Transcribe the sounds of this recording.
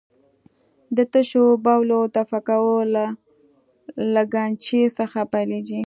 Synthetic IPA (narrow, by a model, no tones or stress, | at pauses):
d̪ət̪əʃobawlot̪afakawəla | laɡant͡ʃesəxapajleɡi